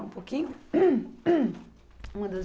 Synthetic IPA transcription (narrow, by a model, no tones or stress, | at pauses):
ũpokĩɲʊ | ũmɐ̃d̪ɐz